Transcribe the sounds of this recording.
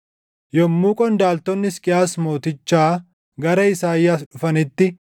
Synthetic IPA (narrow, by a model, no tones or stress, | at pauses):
jɔmːuːkʼɔnd̪aːlt̪ɔnːɪskʼɪaːsmo̞ːt̪ɪt͡ʃːaː | ɡɐɾɐɪsaːjːasᶑʊfɐnɪt̪ːɪ